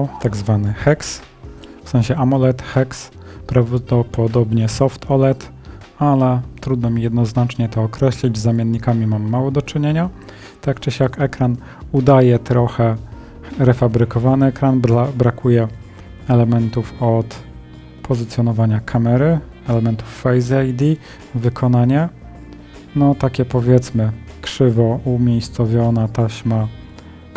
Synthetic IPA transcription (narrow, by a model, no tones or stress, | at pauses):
t̪aɡzvanɘxɛks | fsɛ̃w̃ɕɛamɔlɛt̪xɛks | pɾavd̪ɔpɔd̪ɔbɲɛsɔft̪ʰɔlɛt̪ | alɛt̪ɾud̪nɔmʲijɛd̪nɔznat͡ʂɲɛt̪ɔːkɾɛɕlʲid͡ʑzamʲjɛnːikamʲimamːawɔd̪ɔt͡ʂɘɲeɲa | t̪akt͡ʂɛɕjakɛkɾan | ud̪ajɛt̪ɾɔxɛ | ɾɛfabɾɘkɔvanɘɛkɾanbɾakʰujɛ | ɛlɛmɛnt̪ufɔt̪ | pʰɔzɘt̪sʲjɔn̪ɔvaɲakʰamɛɾɘ | ɛlɛmɛnt̪ufːajzajd̪i | vɘkʰɔn̪aɲɛ | nɔt̪akʲɛpɔvʲjɛt̪smɘkʂɘvɔʔumʲjejst̪sɔvʲjɔnat̪aɕma